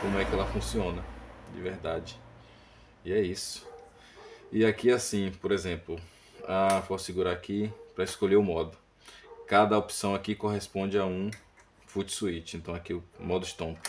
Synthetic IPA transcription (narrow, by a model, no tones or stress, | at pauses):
kõmʊɛkɪɛlɐfũsiõnɐd͡ʒɪ̰veɾd̪ad͡ʒɪ | iɛisʊ̥ | iakiasĩpoɾezẽplʊ | afoɾsiɡuɾakipɾɐeskoʎeʊmɔd̪ʊ | kad̪ɐopsɐ̃w̃akikoɦespõd͡ʒɪaũ | fut͡ʃsuit͡ʃɪẽnt̪ɐ̃w̃akiʊmɔd̪ʊɪʃt̪õpʊ̥